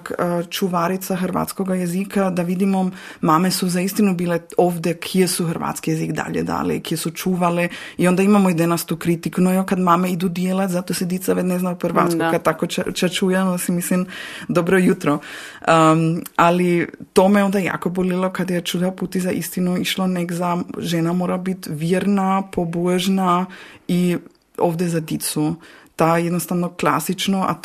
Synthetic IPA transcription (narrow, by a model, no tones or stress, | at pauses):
kːt͡ʃuʋaɾit̪saxr̩ʋa̰t̪skoɡajezikʰad̪aʋid̪imomaːmesuzaist̪inubiːleoːʋd̪ɛkʰijesuxr̩ɾʋa̰t̪skijezikd̪a̰ʎḛd̪a̰ːlɛ̰ikijesut͡ʃuːʋalɛio̞nd̪aimamoid̪enast̪uːkɾit̪ikunojokad̪maːmeid̪ud̪jelat̪zat̪osid̪it̪saʋed̪neznaohɾʋa̰t̪skukad̪̚t̪akot͡ʃt͡ʃat͡ʃuːjɛmsimislimd̪obɾɔjut̪ɾɔ | alit̪omɛond̪aja̰kobolilˠɔkad̪jɛt͡ʃud̪aput̪izaʔist̪inuiʃlˠɔnɛɡzaʒɛnamoɾabit̪vjɛɾnapʰobɔʒnai | o̰vd̪ɛzad̪it̪sut̪ajɛd̪nost̪avnɔklˠa̰sit͡ʃnoa̰